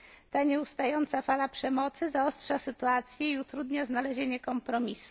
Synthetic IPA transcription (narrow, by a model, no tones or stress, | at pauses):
t̪aɲɛust̪ajɔnt̪safalapʂɛmɔt̪sɘzaɔstʂasɘt̪uat̪sʲjɛiut̪ɾud̪ɲaznalɛʑeɲɛkɔmpɾɔmʲisu̥